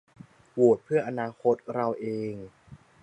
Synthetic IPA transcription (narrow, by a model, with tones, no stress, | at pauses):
wu˨˩ət̪̚pʰɯ˥˩ɐʔa˧naː˧kʰo˦˥t̪̚ɾa˧wʔeː˧ŋ